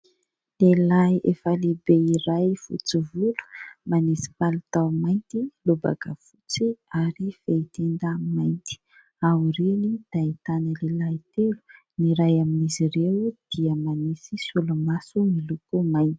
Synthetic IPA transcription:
lelajefalebeiɾajfṵt͡sivulu̥manesi̥palut̪awmajnt̪iluba̰ka̰fut͡siaɾifeit̪end̪amajnt̪i̥ | awiɾenid̪̥ait̪anəlelajt̪elu̥ | niɾajaminizirewd̪̥iəmanesisulumasumilukumaj̪i̥

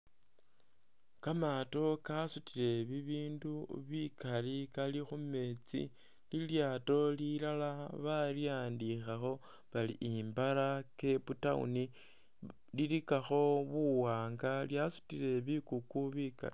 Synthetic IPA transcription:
kamato̞kasutiɾe̞βiβiːnduβikalikalixume̞t͡sḭ | liljaːto̞lilalaβaljaːndixaxo̞ | βalḭʔimbaɾake̞βutaṵni | lilikaxo̞βuwaːŋɡaljasu̥tiɾe̞βikukuβika̰li

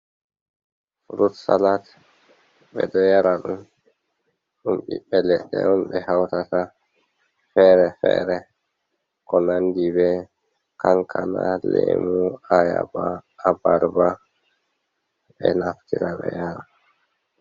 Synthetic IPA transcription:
ɾutsalat | bɛdɔjaɾaɗum | ɗumɓiɓɛlɛɗːɛɗumɓɛhawtata | fɛɾɛfɛɾɛ | kɔnandibɛ | kaŋkʰanalemuajabaːbaɾba | bɛnaftiɾabɛjaɾa

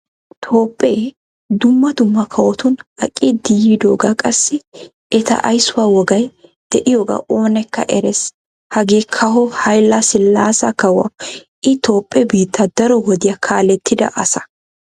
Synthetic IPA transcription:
t̪ʰoːpʼːeː | d̪ʊmːɐd̪ʊmːɐkʰɐwɔt̪ʊnɐkʼːɪd̪ɪjiːd̪oːɡakʼɐsːɪ | ɛt̪ɐ̰ʔɐ̰jsːʊwaːwɔɡɐjd̪̥ɛʔɪjoɡa̰ːʔoːnɛkːɐ̰ʔɛɾɛs | hɐɡeːkʰɐɦɔhɐjlːasɪlːaːsɐkɐwɐ̰ | ʔɪt̪o̞ːpʼːɛbiːt̪ʰːɐd̪ɐɾɔwɔd̪ɪjɐkʰaːlɛt̪ʰːɪd̪ɐ̰ʔɐsɐ̥

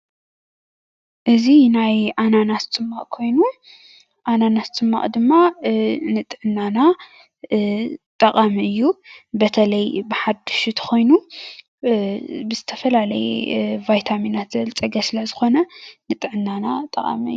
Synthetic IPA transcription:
ʔɨzinajʔananat̪t͡sʼɨmːaʔʼkʰo̞jnu | ʔananat̪t͡sʼɨmːa̰ʔʼd̪ɨmːanɨt̪ʼʕɨnːana | t̪ʼɐqʼamiʔɨjːubɐt̪ʰɐlɐjbɨħad̪ɨʃut̪ʰxʰo̞jnu | bɨzɨt̪ʰɐfɐlalɐ̰j̰vajt̪ʰaminat̪zɐlt͡sʼɐɡɐsɨlɐzɨxo̞nɐnɨt̪ʼɨʕɨnːanat̪ʼɐχʼa̰miɨjːu

